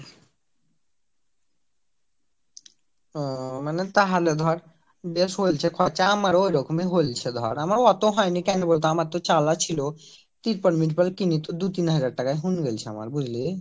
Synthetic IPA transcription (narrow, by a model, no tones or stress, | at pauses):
manet̪aɦaled̪ʱɔɾ | besɦolt͡ɕʰekʰat͡ɕaamaɾojɾɔkomiɦolt͡ɕʰed̪ʱɔ̰ɾamaɾɔt̪oɦɔenikɛnebolt̪aamaɾt̪ot͡ɕalat͡ɕʰilo | t̪iɾpəɖmiʈpalkinit̪od̪ut̪inɦəd͡ʑaɾʈakajɦunɡelt͡ɕʰea̰ma̰ɾbud͡ʑli